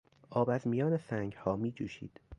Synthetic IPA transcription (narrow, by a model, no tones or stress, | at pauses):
ʔɒːbæzmijɒːnesæŋɡhɒːmiːd͡ʒuːʃḭːd̪̥